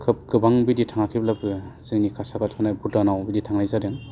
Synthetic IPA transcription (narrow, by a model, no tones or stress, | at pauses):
kʰɯp̚ɡɯbaŋbiditʰaŋakʰib̚labzɯŋnikʰasakatʰkʰɯnajbudanawbiditʰaŋnajzadɯŋ